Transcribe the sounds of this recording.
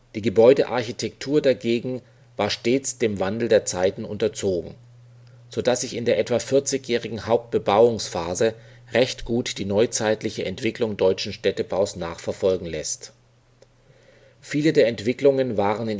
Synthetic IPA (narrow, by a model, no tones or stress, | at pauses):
d̥iːɡəbɔʏdəʔa̰ɐçitʰɛktʰuːɐdaɡeːɡŋ̩ | vaːɐʃteːt͡sd̥eːmvandl̩deːɐt͡saɪtn̩ʔʊntɐt͡soːɡŋ̩ | z̥odasz̥ɪçɪndeːɐʔɛtv̥afɪɐt͡sɪçjɛːʁɪɡŋ̩haʊp̚t̚b̥əbaʊʊŋsfaːzə | ʁɛçtɡ̥uːtd̥iːnɔʏt͡saɪtlɪçəʔɛntv̥ɪklʊŋdɔʏt͡ʃn̩ʃtɛtəbaʊsnaːχfɛɐfɔlɡŋ̩lɛst | fiːlədeːɐɛntv̥ɪklʊŋənvaːʁənɪn